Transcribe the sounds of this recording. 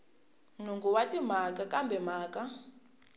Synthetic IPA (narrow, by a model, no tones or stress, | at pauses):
nuŋɡuwatim̤akakambʱɛmaːka